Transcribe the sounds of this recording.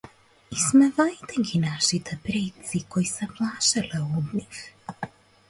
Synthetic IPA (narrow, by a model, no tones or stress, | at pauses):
ismɛvajt̪ɛɡʲinaʃit̪ʰɛpɾɛt̪sikojsɛplˠaʃɛlɛɔd̪nʲix